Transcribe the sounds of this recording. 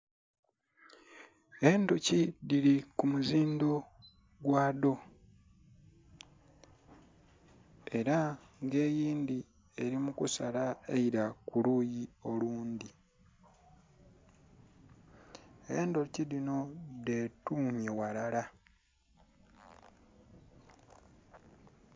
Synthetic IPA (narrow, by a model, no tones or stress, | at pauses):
e̞ndocidiɾikumuziːndo̞ | ɡwaːdo̞ | e̞ɾa | ŋɡe̞ːjiːnd̪i | e̞ɾimukusalaeiɾakulujio̞luːnd̪i | eːndo̞cidino̞de̞ːtuːɲjewalala